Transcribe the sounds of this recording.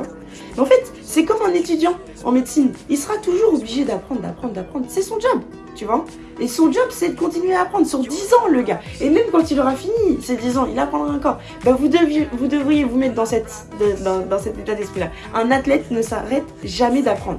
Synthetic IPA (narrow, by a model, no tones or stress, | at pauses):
a | mɛɑ̃fɛt̪ | sɛkɔmɛ̃net̪yd̪jɑ̃ | ɑ̰̃met̪sinilsəʁat̪uʒuʁobliʒed̪apχɑ̃d̪ʁd̪a̰pχɑ̃d̪ʁd̪apχɑ̃d̪ʁsɛsɔ̃d͡ʒɔb | t̪yvwa | esɔ̃d͡ʒɔbsɛd̪əkɔ̃t̪inɥeaːpχɑ̃d̪ʁsyʁd̪izɑ̃ləɡaemɛmkɑ̃t̪ilɔʁafinisɛd̪izɑ̃ḭlapχɑ̃d̪ʁaɛ̃kɔʁ | ebɛ̃vud̪əvʁjevud̪əvʁijevumɛt̪̚d̪ɑ̃sɛt̪ | d̪ɑ̃d̪ɑ̃sɛt̪et̪ad̪ɛspχila | ɛ̃nat̪lɛt̪nəsaʁɛt̪ʒamɛd̪apχɑ̃d̪ʁ